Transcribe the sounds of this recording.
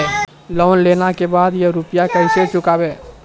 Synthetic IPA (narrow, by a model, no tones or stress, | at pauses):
lɔːnlenakebaːd̪jəɾupjakəɪset͡ʃʊkaːbe